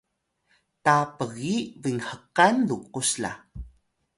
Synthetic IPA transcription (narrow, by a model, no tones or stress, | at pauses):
tapəɣiviŋhəqanduqusla̰